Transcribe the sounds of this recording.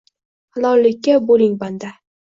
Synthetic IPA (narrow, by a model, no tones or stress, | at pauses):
halˠɒlːɪkʲːabolɪŋband̪a